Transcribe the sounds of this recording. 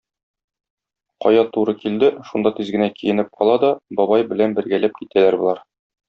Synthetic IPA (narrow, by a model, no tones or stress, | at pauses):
qɒ̰jɑt̪uɾɤkild̪ɘʃund̪ɑt̪izɡɘ̆nækijɘ̆nɘp̚qʰɒlˠɑd̪ɒbɒbɑjbɘ̆lænbɘ̆ɾɡælæp̚kit̪ælæɾbulˠɑɾ